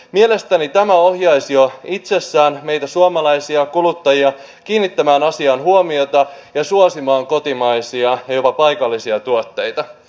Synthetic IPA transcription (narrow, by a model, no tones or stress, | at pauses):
mie̞lest̪ænit̪æmæo̞hjɑisioit̪se̞sːæːnme̞jt̪æsuomɑlɑjsiɑkulut̪ːɑjiɑ | kiːnːit̪ːæmæːnɑsiɑːnɦuomio̞t̪ɑjɑsuosimɑːŋko̞t̪imɑjsiɑjɑjo̞pɑpɑjkɑlːisiɑt̪uot̪ːe̞jt̪ɑ